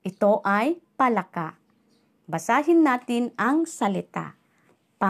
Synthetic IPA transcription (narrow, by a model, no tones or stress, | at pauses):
ʔɪt̪oʔajpɐlakaʔ | bɐsaːɦɪnːaːt̪ɪnɐŋsɐlɪt̪a̰ | pa